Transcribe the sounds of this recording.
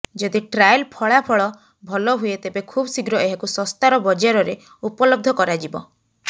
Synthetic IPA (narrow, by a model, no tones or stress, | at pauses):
d͡ʒɔd̪iʈɾajlpʰɔɭapʰɔɭɔ | bʱɔlɔɦuet̪ebekʰubsiɡɾɔeɦakusɔst̪aɾɔbɔd͡ʒaɾɔɾe | upɔlɔɡ̚d̪ʱɔkɔɾad͡ʒibɔ